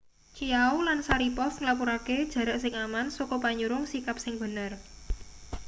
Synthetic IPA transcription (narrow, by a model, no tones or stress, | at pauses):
t͡ʃijaulansaɾipɔsŋlapuɾaked̥ʒ̥ä̤ɾaʔsɪŋamansokɔpaɲuɾʊŋsikap̚sɪŋb̥ə̤nər